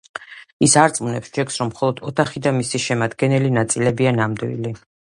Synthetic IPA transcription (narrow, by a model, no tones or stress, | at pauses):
isaɾt̪sʼmnɛpsd͡ʒɛkʰsɾɔmχɔlˠɔd̪̥ɔt̪ʰaχid̪amisiʃɛmad̪ɡɛnɛlinat̪sʼilɛbianamd̪wḭli